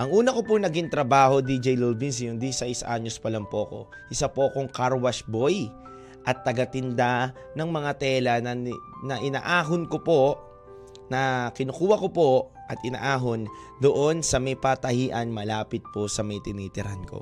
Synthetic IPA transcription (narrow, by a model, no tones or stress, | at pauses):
ʔɐŋʔuːnɐkopʊnɐɡiŋt̪ɾɐbaːho̞d̪id͡ʒɛjlolbins̬jʊŋd̪isaɪsʔa̰ɲospɐlampoʔɐko̞̰ | ʔɪsapo̞ʔɐkoŋkaɾwɐsbo̞j | ʔɐt̪ːɐɡat̪ɪnd̪a | nɐŋmɐŋat̪ɛːlɐnɐnɐʔɪna̰ːʔaːɦʊnkopo̞ | nɐkɪnokuːwɐkopo̞ | ʔɐt̪ɪna̰ːʔaːɦon | d̪oʔo̞nsɐmɐjpat̪ɐhiːʔɐnmɐlaːpɪt̪̚po̞sɐmɐjt̪ɪniːt̪ɪɾanko̰